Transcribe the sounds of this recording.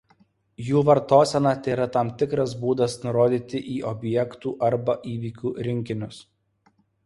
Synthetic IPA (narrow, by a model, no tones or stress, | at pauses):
juːʋɐɾt̪oːsʲɛnɑːt̪ʲeːɾɐt̪ɑːmt̪ʲɪkɾɐs̬buːd̪ɐsnʊɾoːd̪ʲiːt̪ʲɪʔiːʔɔbʲjɛkt̪uːʔɐɾbɐʔiːʋʲiːkʲuːɾʲɪŋʲkʲɪnʲʊs